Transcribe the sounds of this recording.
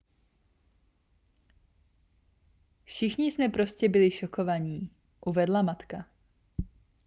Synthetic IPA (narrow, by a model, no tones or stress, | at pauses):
fʃɪxɲɪsmɛpɾo̞scɛbɪlɪʃokovaɲiː | ʔuvɛdlamat̪ka